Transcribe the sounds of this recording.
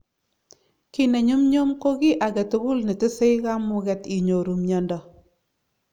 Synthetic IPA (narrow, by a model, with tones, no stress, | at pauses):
ki˦ne˨ɲu˦mɲo˦mko˦ki˦ʔa˨kɛ˨tu˦ɡu˦lne˨tɪ˦se˦jka˦mu˨kɛ˦ti˨ɲo˨ɾu˨mɲɔ˨ndɔ˨